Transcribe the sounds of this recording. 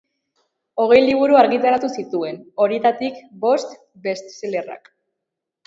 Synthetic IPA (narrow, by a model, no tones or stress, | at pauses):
o̞ɣ̞e̞jliβ̞uɾuaɾɣit̪aɾat̪usit̪ue̞no̞ɾiet̪at̪ikbo̞st̪ | be̞st̪sele̞ra̰k